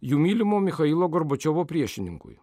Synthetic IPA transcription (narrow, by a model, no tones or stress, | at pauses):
juːmʲiːlʲɪmoːmʲɪxɐilˠoːɡɔɾbɔt͡ʃʲɔʋoːpʲɾʲiɛʃʲɪnʲɪŋkʊ̰j